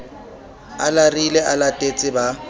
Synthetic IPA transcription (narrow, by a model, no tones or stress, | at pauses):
alarilɛʔalatʼet͡sʼɪba